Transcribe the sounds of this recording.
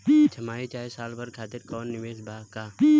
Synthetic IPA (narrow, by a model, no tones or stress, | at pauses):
t͡ʃʰɐmaːit͡ʃaːjsaːlpɐɾkʰaːt̪ɪɾkɔːnːɪʋeːsbʱaːkaː